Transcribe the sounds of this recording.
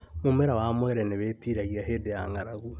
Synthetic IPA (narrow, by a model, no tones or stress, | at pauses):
momeɾawamwɛɾɛneβeːtiːɾaɣiaɦeːdeja̰ŋaɾaɣu